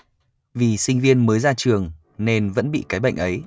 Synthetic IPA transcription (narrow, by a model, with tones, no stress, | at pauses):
vi˨˩sï˧ŋ̟vi˧ənməː˨˦jzaː˧t͡ɕɨ˨˩əŋ | ne˧nvə̰˧˥nɓḭ˧˨kaː˨˦jɓə̰˧˨jŋ̟ʔə˨˦j